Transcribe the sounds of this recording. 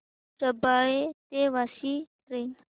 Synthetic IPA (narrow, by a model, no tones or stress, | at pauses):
səbaɭet̪eʋasitɾen